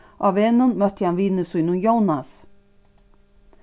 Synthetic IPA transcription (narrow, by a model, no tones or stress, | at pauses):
ʔaveːnʊnmœht̪ɪhanviːnɪsujnʊnjownas